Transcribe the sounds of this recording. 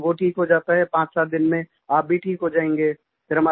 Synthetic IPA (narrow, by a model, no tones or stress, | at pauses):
ʋoʈʰiːkɦod͡ʒaːt̪aɦɛpãːt͡ʃsaːt̪̚d̪ɪnmẽ | aːp̚bʱiʈʰiːkɦod͡ʒaːẽːŋɡeː | fɪɾɐmaː